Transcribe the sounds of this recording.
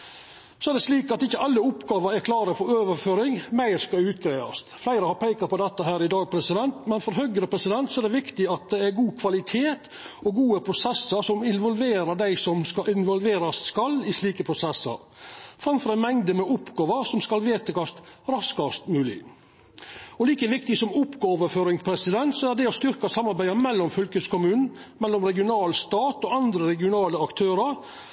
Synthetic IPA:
sɔæɾɖ̪ɛsliːkɑt̪ɪçːəɑlːəʊpɡɑːʋɑɾæɾkʰlɑːɾəfɔɾøːʋəɾføːɾɪŋmæɪɾskɑʉːt̪̚ɡɾæɪɑ̰st̪flæɪɾəhɑɾpʰeɪkɑpʰɔd̪ɛt̪ːəhæːɾɪd̪ɑːɡ̚pʰɾɛsɪd̪ɛnt̪mɛnfɔɾɦœɡɾəpʰɾɛsɪd̪ɛnt̪sɔæɖ̪ɛʋɪkt̪ɪɑt̪̚d̪ɛæɾɡuːkʰʋɑlɪt̪ʰeːt̪ | ɔɡuːəpʰɾʊsɛsəɾsɔmɪnʋɔlʋeːɾɑd̪æɪsɔmskɑʔɪnʋɔlʋeːɾɑsskɑlːɪsliːkəpʰɾʊsɛsːə̰ɾfɾɑmfɔɾɑænmɛŋd̪əmɛʔʊpɡɑːʋəɾsɔmskɑlʋeːt̪əɡɑst̪ɾɑskɑst̪mʉːlɪ̰ | ɔliːkəʋɪk̚t̪ɪsɔmʊpɡɑːʋəɾføːɾɪŋpʰɾɛsɪd̪ɛnt̪sɔæɾd̪ɛɔst̪ʏɾkɑsɑmːɑɾbæɪəmɛlːɔmfʏlkəskʊmʉːnn̩ | mɛlːɔmɾɛɡɪʊnɑːlst̪ɑːt̪ɔɑnd̪ɾəɾɛɡɪʊnɑːləɑkt̪ʰøːɾəɾ

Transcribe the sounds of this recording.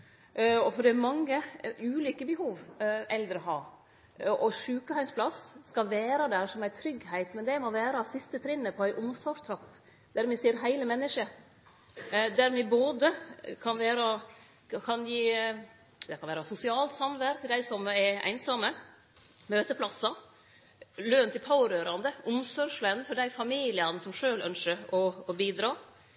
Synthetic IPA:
ɔfɔɖɛæɾmɑŋːəʔʉːlʏkːəbəhuːʋɛld̪ɾəɦɑː | ʔɔʂʉːkəhɑɪnspʰlɑsskɑʋæːɾɑd̪æɾʂɔmæɪt̪ʰɾʏɡhæɪt̪mɛnd̪ɛmɔʋæːɾɑsɪst̪ət̪ʰɾɪnːəpʰɔæɪʔʊmst̪ɔʂt̪ʰɾɑpː | d̪̥æɾmɪseːɾɦæɪləmɛnːəʂə | d̪æɾmɪboːd̪əkʰɑnʋæːɾɑ | kʰɑnjiː | d̪ɛkʰɑnʋæːɾɑsʊsɪɑːlt̪sɑmʋæɾk̪ʰɪld̪æɪsɔmɛæ̰ɪnsɑmːə | møːt̪əpʰlɑsɑ | løːnt̪ɪlpʰɑʊɾøːɾɑnd̪əʔʊmsɔʂlənfɔɖ̪æɪfɑmiːlɪɑnsɔmʂøːlœ̰nʂəɾɔːbiːd̪ɾɑː

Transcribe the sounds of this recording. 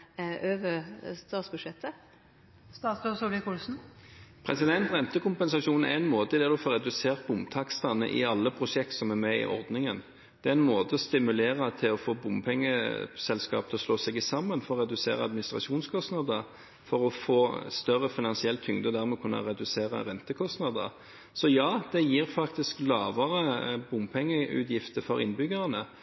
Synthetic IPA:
øːʋəst̪ɑːt̪sbʉdʃɛt̪ːə | st̪ɑːt̪sbøsulɪkʰuːlsn̩pʰʁɛsɪd̪ɛnt̪ʁɛnt̪əkʊmpɛnsɑʂuːnn̩æ̰ɛnmoːt̪əd̪ɛːʁd̪ʊfoːʁɛd̪ʉseːʁt̪̚bʊmt̪ʰɑkst̪ɑnə̰ʔɪ̰ɑlːəpʰɾʊʂɛk̚t̪sɔmæɾmɛɪ̰ʔɔ̰ʁd̪nɪŋən | d̪ɛːæɛnmoːt̪ʰəɔst̪ɪmʉleːʁət̪ʰɪlɔfoːbʊmpʰɛŋːə̰sɛlskɑ̰ːp̚t̪ʰɪlɔsloːsɛɡɪsɑmːənfɔɾɔɾɛd̪ʉsḛːɾəɑd̪mɪnɪst̪ɾɑ̰ʃuːnskʰɔst̪nɑd̪əɾ | fɔɾɔfoːst̪œrəfɪnɑnsɪɛlt̪ʰːʏŋd̪əd̪æɾmɛkʰʉnːɑ̰ɾɛd̪ʉseːɾə̰ɾɛnt̪əkʰɔst̪nɑd̪ə̰ɾ | sɔjɑːd̪̥ɛjiːɾfɑkt̪ɪsklɑːʋəɾəbʊmpʰɛŋːəʉ̰ːt̪jɪft̪əɾfɔɾɪ̰nbʏɡɑʁənə

